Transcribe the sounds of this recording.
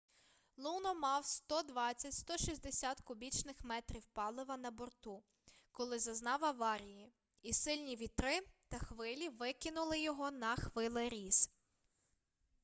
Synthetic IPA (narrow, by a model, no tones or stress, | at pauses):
lˠunɔmɑwst̪ɔd̪ʋɑt͡sʲːɐtʲst̪ɔʃizʲd̪esʲat̪kʊbʲit͡ʃnɪxmɛt̪ɾʲiwpɑlˠɪʋɐnɐbɔrt̪u | kɔlˠɪzɐznɑwɐʋɑɾʲiji | isɪlʲnʲiʋʲit̪ɾɪt̪ɐxʋɪlʲiʋɪkɪnʊlˠɪjɔɦɔnɐxʋɪlˠɪɾʲiz̥